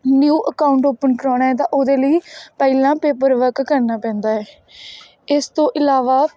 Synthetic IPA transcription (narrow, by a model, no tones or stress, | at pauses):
njuːʔəkaːʊɳʈoːpənʈɾɔːnaːɛːt̪̬ãːʔoːd̪eːləiːpəɪlãːpeːpəɾʋəɾkːəɾnaːpɛ̃ːnd̪aːɛː | ɪst̪õːʔɪlaːʋaː